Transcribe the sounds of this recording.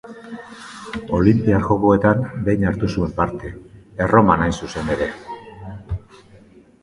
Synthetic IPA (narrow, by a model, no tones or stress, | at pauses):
o̞limpiaɾʝo̞ko̞e̞t̪ambe̞jɲaɾt̪usue̞mpaɾt̪e̞ːro̞manajsuse̞ne̞ɾe̞